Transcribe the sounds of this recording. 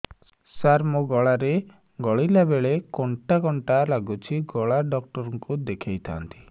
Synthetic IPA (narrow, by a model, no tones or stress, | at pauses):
saɾmoɡɔɭaɾe | ɡɔɭilabeɭekɔɳʈaɡɔɳʈalaɡut͡ʃʰiɡɔɭaɖɔk̚ʈɔɾɔŋkud̪ekʰajt̪ʰa̰nt̪ʰi̥